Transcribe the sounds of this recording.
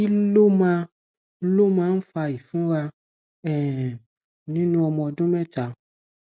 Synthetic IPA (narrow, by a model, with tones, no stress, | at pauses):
i˦lo˦mã˧˦ | lo˦mãː˦˧˦n̩˦fa˧i˨fũ˦ɾa˧ | ɛ˨ | nĩ˦nũ˦ɔ˧mɔ̃˧dũ˦mɛ˦˨ta˨˦